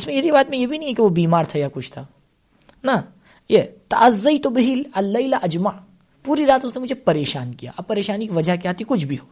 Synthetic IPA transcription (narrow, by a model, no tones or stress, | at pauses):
ʊsmẽeɾibaːt̪mẽjebʱinɐ̃ĩɛkeʋobiːmaːɾt̪ʰajakʊt͡ʃʰt̪ʰaː | nɐ | jet̪ɐʔɐzːɐjt̪ʊbɪɦɪlɐlːɐɪlaʔɐd͡ʒmaʕ | puːɾiɾaːt̪ʊsnemʊd͡ʒʱepɐɾeːʃaːnkija̰ːʔɐbpːɐɾeːʃaːnikiʋɐd͡ʒʱakiaːt̪ikʊt͡ʃʰbʱiɦoː